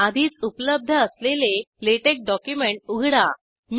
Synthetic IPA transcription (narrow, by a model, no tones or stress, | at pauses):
ad̪ʱiːt͡supləb̚d̪ʱəəsleleleʈek̚ɖɔkjumeɳʈ̚uɡʱɽa | m